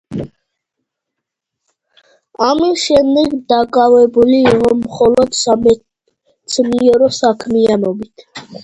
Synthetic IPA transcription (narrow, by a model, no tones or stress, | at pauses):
amiʃɛnd̪ɛɡd̪akʼavɛbuliːʁɔmχɔlɔd̪sm | sʰmiɔɾɔsakʰmianɔbit̪ʰ